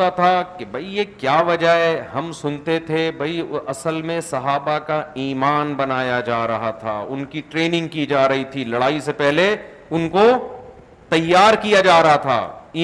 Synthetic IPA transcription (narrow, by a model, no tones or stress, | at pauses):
at̪ʰakebʱɐijekjaːʋɐd͡ʒaɛɦɐmsʊnt̪et̪ʰebʱɐiɐsəlmẽsɐɦaːbakaiːmaːnbɐnaːjad͡ʒaːɾɐɦat̪ʰa̰ːʊnkiʈɾeːnɪ̃ŋɡ̚kid͡ʒaːɾɐɦit̪ʰilɐɽaːisepɛɦle | ʊnko | t̪ɐjːaːɾkijad͡ʒaːɾɐɦat̪ʰa̰ːiː